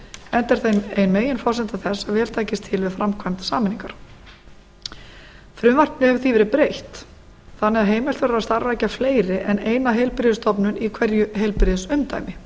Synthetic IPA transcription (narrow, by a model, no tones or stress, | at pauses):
ɛnt̪ɛɾ̥θejmejnmeːjɪnfɔsɛnt̪aθɛsːavɛːl̥t̪ʰaːjcɪst̪ʰɪlvɪðfɾamkʰvajmt̪saːmɛniŋkaɾ̥ | fɾʏmvar̥p̪nɪhɛɾθivɛɾɪpɾejht̪ | θanːɛaɦeːjmɛlt̪vɛːɾɾast̪aɾvajcafleːjɾɪʔɛneːjnaɦejlpɾɪðʏst̪ʰɔpnʏnikʰvɛɾjʏɦejlpɾɪðʏsʏmt̪a̰ːjmɪ